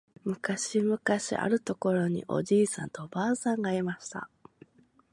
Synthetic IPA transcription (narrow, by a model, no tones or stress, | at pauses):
mɯ̟kaɕimɯ̟kaɕḭʔa̰ɾɯ̟t̪o̞ko̞ɾo̞ɲ̟ḭʔo̞̰d͡ʑiːsã̰nt̪o̞baːsãŋɡaimaɕi̥t̪a̰